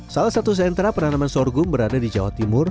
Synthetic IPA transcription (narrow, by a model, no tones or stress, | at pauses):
salasat̪us̬ɛnt̪ɾapənanamansɔrɡʊmbəɾadadid͡ʒawa̰t̪imʊr